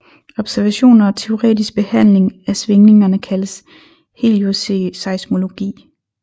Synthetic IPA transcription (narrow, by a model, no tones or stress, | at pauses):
ɒ̽b̥sæɐʋæɕo̝̰ːnɐɒ̽t͡sʰe̝o̝ʁɛ̰ːd̥isɡ̥̚b̥e̝hæn̰le̝ŋæsʋe̝ŋne̝ŋɐnəkʰæləs | he̝̰ljo̝se̝sɑ̈ɪsmo̝lo̝ɡ̥ḭː